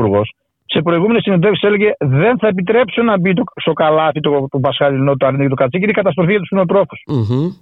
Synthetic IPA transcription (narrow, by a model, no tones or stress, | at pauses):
uɾɣo̞s | se̞pɾoiɣume̞nesined̪efsiseleʝeðe̞nθɐepit̪ɾe̞psonɐbit̪ost̪o̞kɐlɐθit̪ot̪opɐsxɐɾinot̪oɐɾinecet̪okɐt͡sicinekɐt̪ɐst̪ɾoθiʝɐt̪usminlot̪ɾo̞fu̥s